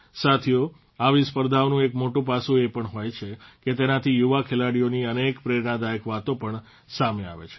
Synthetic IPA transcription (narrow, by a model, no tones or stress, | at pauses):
sat̪ʰijo | aʋispəɾd̪ʱaʋnũekmoʈũpasũepəɳɦojt͡ʃʰeket̪enat̪ʰijuʋakʰelaɽijoniənekpɾeɾnad̪aekʋat̪opəɳ | samea̰ʋḛt͡ʃʰe̥